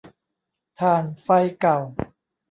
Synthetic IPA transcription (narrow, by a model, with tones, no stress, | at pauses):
t̪ʰaː˧˩nfa˧jka˨˩w